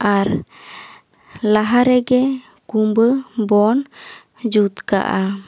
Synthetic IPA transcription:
ʔaɾ | laɦaɾɛɡɛ | kumbəbɔn | d͡ʒut̪ka̰ʔa

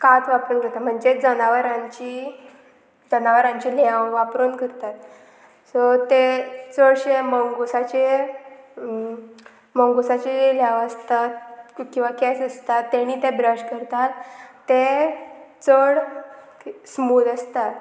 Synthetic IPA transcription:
kat̪ʋapɾunkəɾt̪at̪m̤əɳd͡zed͡zənaʋəɾãɲt͡ɕi | d͡zənaʋəɾãɲt͡ɕilãwʋapɾunkəɾt̪at̪ | sət̪et͡səɽɕeməŋɡosat͡ɕe | mə̃ŋɡosat͡ɕiljaʋəst̪at̪kĩw̃ʋakesəst̪at̪ːeñiːt̪ebɾəɕkəɾt̪at̪ː | e | t͡səɽ | smuləst̪at̪

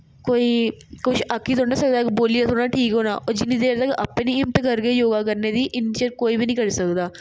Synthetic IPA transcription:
koːiːkʊt͡ʃʰəkʰːiːt̪oːnaːsək̚d̪aːkiboːlijasʰoːnaːʈʰiːkɦoːnaːʔɔːɾd͡ʒɪnːĩːd̪eːɾd̪aːkiʔəpːẽːnĩːɪmt̪kəɾkejoːɡaːk̬əɾneːd̪iːʔɪnt͡ʃəkoːiːbiːnĩːkəɾsəkd̪aː

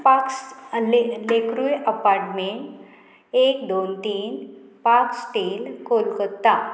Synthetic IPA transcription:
paks | lekɾujəpaɾʈmeɳʈ | ekd̪ont̪iːn | paksʈiːlkolkət̪ːa

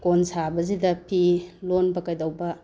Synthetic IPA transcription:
konsabɐzidɐpʰilonbɐkɐjdɐwbɐ

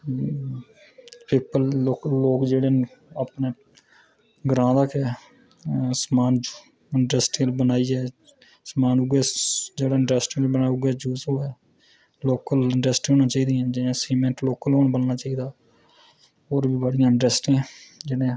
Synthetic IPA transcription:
piːpəloːkːoːkd͡ʒeːɽeːaːpneː | ɡɾãːd̪akɛː | smaːn | ɪɳɖɾɛːsʈɪlbənaːiːɛː | smaːnʊɡɛːd͡ʒeːɽaːɪɳɖɾɛsʈɪbənaːʊɡɛːd͡ʒuːsɦoːɛː | loːkəlɪɳʈɾɛsʈɦõːnãːt͡ʃaːiːd̪iːɛ̃ːd͡ʒɪãːsiːmẽːɳʈloːkəlɦoːnbənnaːt͡ʃaːiːd̪aː | oːɾbiːbəɽɪjãːɪɳɖɾɛsʈɛ̃ːd͡ʒeɽẽː

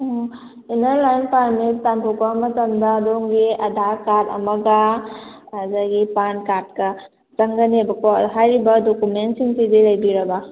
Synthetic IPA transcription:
inaɾlajnpaɾmitampʰukbamɐtɐmdɐːdoŋɡiɐdʱaɾkatɐ̰mɐɡɐ | azaɡipankat̚kɐ | zɐŋɡɐnebɐkoɦajɾibɐdokumentsiŋsidilɐjbiɾɐba

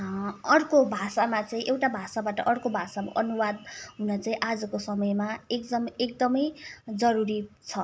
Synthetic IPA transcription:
ʌɽkobʱasamat͡saĩʔewʈabʱasabaʈʌʔʌɽkobʱasama̰ʔʌnuwad̪ɦunʌt͡saĩʔad͡zʌkosʌmʌjmaekd̪ʌmek̚d̪ʌmʌjd͡zʌɾuɾit͡sʰʌ

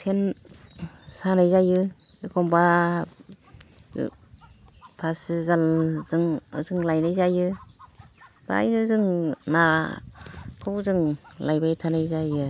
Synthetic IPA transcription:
sʰen | sanajzajɯ | ikʰɔmba | pʰasɯzalzɯŋzɯŋlajnajzajɯ | b̥a̰jnɯzɯŋna | kʰɯwzɯŋlajbajtʰanajzajɯ

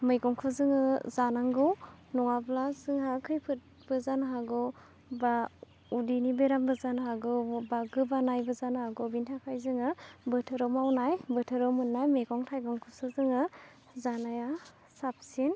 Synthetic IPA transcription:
mɯjɡɔŋkʰɯzɯŋɯzanaŋɡɯwnɔŋablasɯŋɦakʰɯjpʰɯt̚ | b̥ɯzanɦaɡɯ | ba | udinibeɾambɯzanɦaɡɯbaɡɯbanajbɯzanɦaɡɔbintʰakʰajzɯŋɯbɯtʰɯɾɔmawnajbɯtʰɯɾɔmunːajmeɡɔŋtʰajɡɔŋkʰɯsɯzɯŋɯ | zanaja | sap̚sin

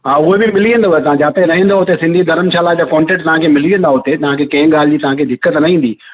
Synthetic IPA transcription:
aːʊɦebɪmɪliːə̃nd̪ot̪ɐʋ̤ãd͡ʑaːt̪eɾɐɦĩnd̪oɦʊt̪esɪ̃nd̪ʱid̪ɐɾəmʃaːlad͡ʑaːkɔ̃ːɳʈẽːʈt̪ɐʋ̤ãkʰemɪliə̃nd̪aɦʊt̪et̪ɐʋ̤ãkʰekɐ̃ɦɪ̃ɠaːlɪd͡ʑiːt̪ɐʋ̤ãːkʰed̪ʱɪkːət̪nɐɦĩːnd̪iː

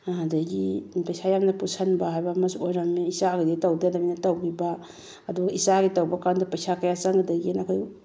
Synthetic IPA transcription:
adaɡipajsajamnɐpusanbaɦajbɐmɐsojɾamiisaɡiditawdadabinɐtawɡibaː | duɡaisaɡitawbakandɐpajsakɐjat͡ʃaŋadaɡinakʰoj

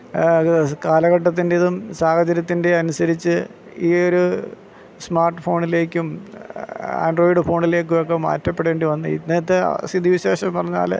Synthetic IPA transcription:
kaːlɐɣɐʈːɐt̪̬ːindeiðumsaːhɐd͡ʑɐɾjɐt̪ːinde̞ɐnusɐɾit͡ɕːɨ | iːo̞ɾu | smaːrʈːɨfo̞ːɳile̞ːkʲːum | a̰ːnɖro̞ːiɖɨfo̞ːɳile̞ːk̬ʲːujokːe̞ma̰ːtːɐpːeɽe̞ːɳɖɨʋɐnːɨḭneːɐt̪ːḛsid̪iʋiɕeːɕɐmpɐrɐɲːa̰ːl

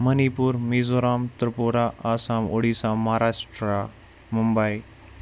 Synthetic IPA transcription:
mɐnipuːɾmiːzoɾaːmt̪ɾpuɾaʔaːsãːmoɽisãmɐɦɾaːʂʈɾa | mumbəi

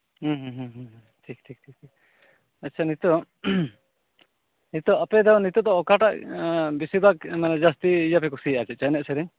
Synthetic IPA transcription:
hũɦɦũɦɦ | ʈʰik̚tʰik̚tʰik̚ʈʰik̚ | atːt͡ʃʰanit̪ɔ | nit̪ɔapɛd̪ɔwnit̪ɔd̪ɔɔkaʈaʔbisibakmanad͡ʒast̪iːjapɛkusiat͡ʃɛt̪̚t͡ʃanɛʔ̚sɛd̪ɛɲ

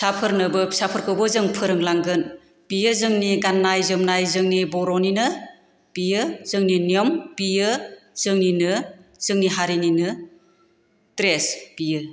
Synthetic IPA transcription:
sapʰɯɾnɯbɯpsapʰɯɾkʰɯwbɯzɯŋpʰɯɾɯŋlaŋɡɯn | pijɯzɯŋniɡanːajzɯmnajzɯŋnibɔɾɔninɯ | pijɯzɯŋninijɔmpijɯz̥ɯŋninɯz̥ɯŋniɦaɾininɯ | tɾespijɯ

